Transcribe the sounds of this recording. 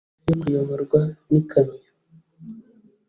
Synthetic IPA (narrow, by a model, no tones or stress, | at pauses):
jokujoβoɾɡwanikʰaɲa